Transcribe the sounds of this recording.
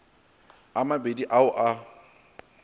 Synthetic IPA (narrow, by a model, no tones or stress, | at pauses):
amabediʔaʊʔa